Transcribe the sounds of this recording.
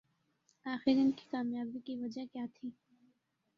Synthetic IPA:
aːxɪɾɪnki̥kaːmjaːbikiʋɐd͡ʒakjaːt̪ʰiː

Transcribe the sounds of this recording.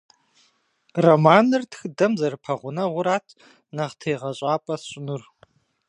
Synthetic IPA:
rɐmaːnɨrtʰxdɐmzɐrɨpʰɐʁʷʊnɐʁʷʊɾaːtʰ | naʁtʰeːʁɐɕʼaːpʼɐɕʼɪnur

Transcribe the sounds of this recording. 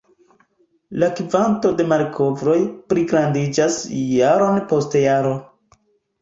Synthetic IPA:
lakivanto̞de̞maɾkʰo̞vɾo̞jpɾiɡɾandid͡ʒasjaɾo̞npo̞stejaɾo̞

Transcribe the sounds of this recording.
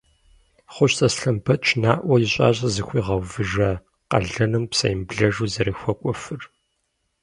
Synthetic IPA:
χʷʊɕtʼɐsɬɐmpʰɐt͡ʃʰnaːʔʷɐjɪɕʼa̰ːɕ̬ʼɐzɨxʷiːʁɐwvɨʒɐ | qɐ̰ɮɐnɨmpsɐ̰jɪmbɮɐʒuːzɐɾɨxʷɔkʷʼɔfɨr

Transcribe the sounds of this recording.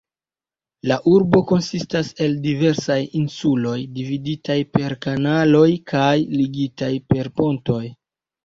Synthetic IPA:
laʔuɾbo̞ko̞nsistase̞ldive̞ɾsajinsulo̞jdividitajpe̞ɾkanalo̞jkʰajliɡitajpe̞ɾpo̞nto̞j

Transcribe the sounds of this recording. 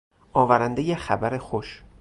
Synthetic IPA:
ʔɒːvæɾænd̪ejexæbæɾe̞xoʃ

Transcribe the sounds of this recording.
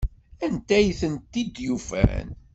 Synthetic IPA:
ænt̪æjθənt̪ːid̪jufæ̰n

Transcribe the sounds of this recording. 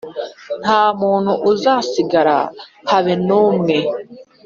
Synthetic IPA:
n̥aːmuːn̥huʔuzaːsiɡaɾa̰haβenuːmŋe

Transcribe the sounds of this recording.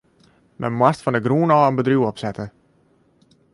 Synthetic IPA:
mɛ̰mwastfɑndəɡruːnɑːənbədrywɔpsɛtə

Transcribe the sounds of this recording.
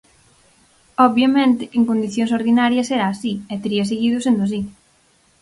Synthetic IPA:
oβjɐmẽnt̪ɪeŋkond̪iθjõŋs̬oɾðinaɾjɐseɾaːsiɛt̪eɾiɐseɣiðʊsend̪ʊas̬i

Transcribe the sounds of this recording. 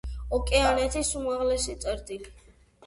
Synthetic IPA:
ɔkʼɛanɛt̪ʰisumaʁlɛsit̪sʼɛɾd̪ili

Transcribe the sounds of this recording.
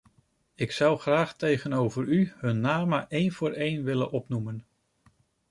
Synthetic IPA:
ɪksʌwχraːχtejχənowvəɹyhɵnːaːməʔejnv̥ʊːɹejnʋɪlə̰nʔɔpnumən

